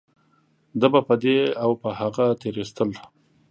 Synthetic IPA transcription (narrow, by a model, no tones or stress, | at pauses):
d̪abapəd̪eawpəhaɣat̪eɾest̪əl